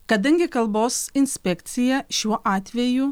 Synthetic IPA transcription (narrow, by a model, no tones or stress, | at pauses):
kɐd̪ɐŋʲɡʲɪkɐlˠboːsɪnʲsʲpʲɛkt̪sʲɪjɛʃʲuɔʔɑːt̪ʲʋʲɛju